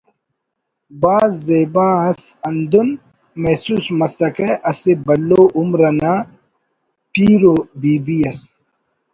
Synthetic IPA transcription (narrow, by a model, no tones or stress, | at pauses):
baːzːeːbãːɐsɐnd̪un | mesuːsmɐsɐkeʔɐsebɐlːoːʔumɾɐnaː | piːɾoːbiːbiɐs